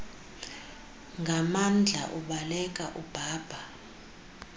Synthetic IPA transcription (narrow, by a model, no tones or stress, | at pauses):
ŋɡʱamand͡ɮʱa̰ʔuɓalɛk̬ʼaʔub̥ʱaːb̥ʱa